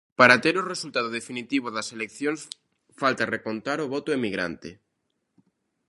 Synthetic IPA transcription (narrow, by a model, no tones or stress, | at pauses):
paɾat̪eɾoresult̪aðoð̞efinit̪iβ̞oðɐselekθjoŋs | falt̪arekont̪aɾoβɔt̪oemiɣɾa̰nt̪e